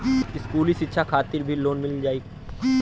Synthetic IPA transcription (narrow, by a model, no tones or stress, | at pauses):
ɪskuːliʃɪtːʃʰakʰaːt̪ɪɾbʱiloːnmɪld͡ʒaːiː